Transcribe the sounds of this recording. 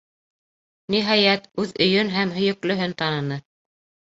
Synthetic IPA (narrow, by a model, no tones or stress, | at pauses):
niɦɑjæt̪ʉðɵ̆jɵnɦæmɦɵ̆jɵ̆klɵ̆ɦɵnt̪ɑnɤ̆nɤ